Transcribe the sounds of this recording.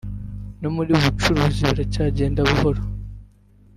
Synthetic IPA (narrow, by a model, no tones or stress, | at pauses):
no̞muɾiβut͡ʃuɾuːziβiɾacaːɟe̞ːndaβuhoɾo